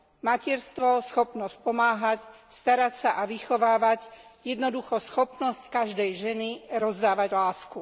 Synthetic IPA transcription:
macɛɾst̪ʋɔsxɔpnɔsc̚pɔmaːɦac | st̪aɾacsaʔaʋixɔʋaːʋacjɛd̪nɔd̪uxɔsxɔpnɔsckaʒd̪ɛjʒɛniɾɔzd̪aːʋaɟlaːsku

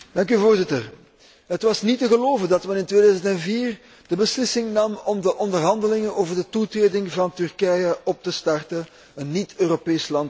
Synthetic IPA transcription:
d̥ɑŋk̬yvoːrzɪtər | ɦətʋɑsnitəɣəloːvəndɑtmɛnɪntweːdœːzəntɛnviːr | d̥əbəslɪsɪŋnɑmɔmdəʔɔndərɦɑndəlɪŋənoːvərdətutreːdɪŋvɑntʏrkɛjəʔɔp̚təstɑrtə | ənːitøːropeːslɑnt

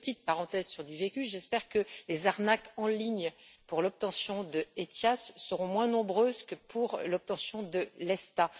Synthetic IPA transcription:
pət̪it̪̚paʁɑ̃t̪ɛzsyʁd̪yvekʲyʒɛspɛʁkəlezaʁnakɑ̃liɲpuʁlɔp̚t̪ɑ̃sjɔ̃d̪əet̪jasːəʁɔ̃mwɛ̃nɔ̃bʁøzkəpʰuʁlɔp̚t̪ɑ̃sjɔ̃d̪əlɛst̪a

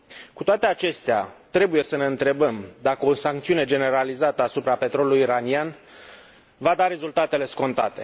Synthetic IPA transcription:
kut̪oat̪e̞at͡ʃe̞st̪ea̰t̪ɾe̞buje̞səne̞ɨnt̪ɾe̞bəmd̪akəosaŋkt̪siune̞d͡ʒe̞ne̞ɾalizat̪əasupɾape̞t̪ɾo̞luluiɾanian | vad̪aɾe̞zult̪at̪e̞le̞sko̞nt̪at̪e̞

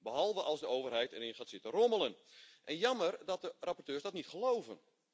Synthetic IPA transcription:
bəɦɔlˠvəʔɑlˠsdəoːvərɦɛjtɛɾɪnχaːtsɪtəroməlˠənʔɛnjɑmərdɔt̚dərapɔrtøːrsdɔtnitχəlowvən

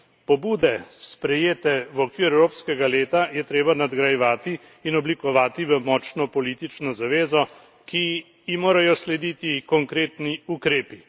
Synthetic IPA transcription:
pɔbuːd̪ɛspɾɛjeːt̪ɛʋɔkʋiːɾɛwɾoːpskɛɡaleːt̪ajɛt̪ɾeːbanad̪ɡɾajɛʋaːt̪iː | nɔblikɔʋaːt̪iʋəmɔːt͡ʃnɔpɔliːt̪it͡ʃnɔzaʋeːzɔ | ki | jimoːɾajɔslɛd̪iːt̪ikɔŋkɾeːt̪niukɾeːpi

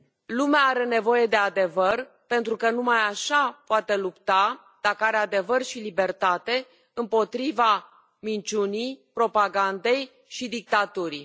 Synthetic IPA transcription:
lumeaaɾe̞ne̞vo̞je̞d̪e̞ad̪e̞vər | pe̞nt̪ɾukənumajaʃapoat̪e̞lupt̪a | d̪̥akəaɾe̞ad̪e̞vərʃilibe̞rt̪at̪e̞ | ɨmpo̞t̪ɾiva | mint͡ʃunijpɾo̞paɡand̪e̞j | ʃid̪ik̚t̪at̪uɾi

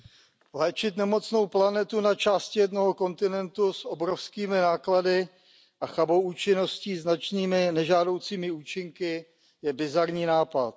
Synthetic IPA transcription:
lɛːt͡ʃɪt̪nɛmo̞t͡sno̞wplanɛt̪unat͡ʃaːscɪjɛdno̞ɦoko̞nt̪ɪnɛnt̪usʔobɾofskiːmɪnaːkladɪ | ʔaxabowuːt͡ʃɪno̞sciːznat͡ʃniːmɪnɛʒaːdo̞wt͡siːmɪuːt͡ʃɪŋkɪ | jɛbɪzaɾɲiːnaːpat̪̚

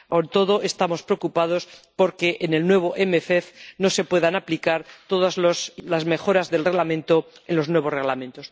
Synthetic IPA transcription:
ont̪o̞ðo̞ʔe̞st̪amo̞spɾeokupað̞o̞spo̞ɾke̞ʔenelnwe̞β̞o̞ʔemeθeθno̞sepwe̞ðanaplikaɾt̪o̞ð̞azloslazme̞xo̞ɾazðe̞lre̞ɣlamẽ̞nt̪o̞ | enlo̞znwe̞β̞o̞zre̞ɣlamẽ̞nt̪o̞s

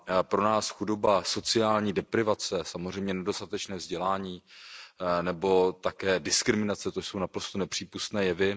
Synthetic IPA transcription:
pɾo̞naːsxudobaso̞t͡sɪaːlɲiːdɛpɾɪvat͡sɛsamor̝ɛjmɲɛnɛdo̞st̪at̪ɛt͡ʃnɛːvzɟɛlaːɲiː | nɛbo̞t̪akɛːdɪskɾɪmɪnat͡sɛt̪oso̞wnapɾo̞st̪onɛpr̝̥iːpust̪nɛːjɛvɪ

